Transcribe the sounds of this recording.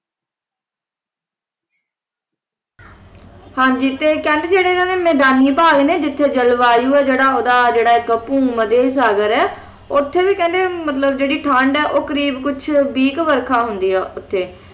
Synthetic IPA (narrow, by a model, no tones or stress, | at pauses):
hãːɲd͡ʒiːt̪eːkɛ̃ːnd̪eːd͡ʒeːɽeːnaːneːmɛːd̪aːniːpaːɡneːd͡ʒɪt̪ʰːeːd͡ʒəlʋaːjuːɛːd͡ʒeːɽaːoːd̪aːd͡ʒeːɽaːɪkəpũːməd̪eːs̬aːɡəɾɛː | ʊt̪ʰːeːʋiːkɛ̃ːnd̪eːmət̪ləbd͡ʒeːɽiːʈʰãːɳɖɛːʔoːkəɾiːbkʊt͡ʃʰbiːkʋəɾkʰaːɦʊnd̪iːɛːʔʊt̪ʰːeː